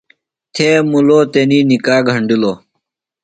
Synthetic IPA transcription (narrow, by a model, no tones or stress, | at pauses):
t̪ʰeːmuloːt̪eniːnikaːɡʱɐɳɖiloː